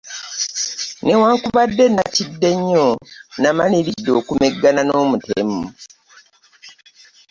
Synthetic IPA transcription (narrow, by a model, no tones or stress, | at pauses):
newaːŋkuβadːe̞nacidːe̞ɲːonamaliɾidːo̞ːkumeɡːanano̞ːmutḛmu